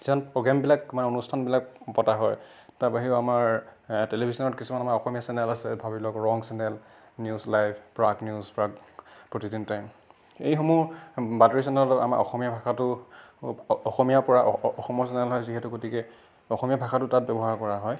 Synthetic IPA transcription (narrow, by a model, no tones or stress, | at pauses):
z̥iɔnpɹɔɡɹambilakmanɛonustʰanbilak̚pɔtaɦɔjtaɹpaɦiʊamaɹtelibʱisɔnɔtkisumanamaɹɔxɔmijasɛnɛlasɛbʱabilɔkɹɔŋsɛnɛl | njuzlajpʰpɹaɡnjuzpɹakpɹotidintajm | ejxomuɹbateɹisɛnɛlɔtɔta̰ma̰ɹʔɔ̰xɔmijabʱaxʰatʊ | ɔxɔmijapɔɹaɔxɔmɔɹsɛnɛlɦɔjziɦɛtʊɡotikɛ | ɔxɔmijabʱaxʰatʊtat̚bɛbɔɦaɹkɔɹaɦɔj